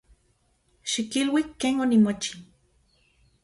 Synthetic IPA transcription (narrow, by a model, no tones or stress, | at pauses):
ʃikilwikːeːnonimot͡ʃi̥